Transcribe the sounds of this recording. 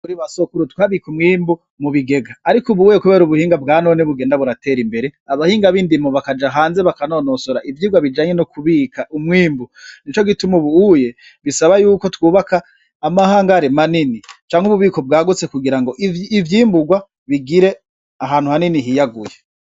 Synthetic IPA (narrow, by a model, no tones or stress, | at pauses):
kuɾiβasokuɾutwaːβikumŋiːmbu | muβiɡe̞ɡaːɾikuβuuje̞kuβe̞ːɾuβuhiːŋɡabɡaːno̞ːneβuɡeːndaβuɾatʰe̞ːɾimbe̞ɾe̞aβahiːŋɡaβindimoβakad͡ʒaɦaːnze̞βakano̞nosoɾaʔivjiːɡwaβid͡ʒaːɲe̞nokʰuβiːkʰaʔumŋiːmbunit͡ʃo̞ɡitumuβuuje̞ | βisaβajuːko̞twuːβakaː | mahaːŋɡaɾimaninit͡ʃaːŋhuβuβiːko̞b̚ɡaːɡut͡se̞kuɡiɾaŋɡo̞ʔiivjiːmbuɡwa | βiɡiɾe̞ | aɦaːnhuhaniniɦijaɡuje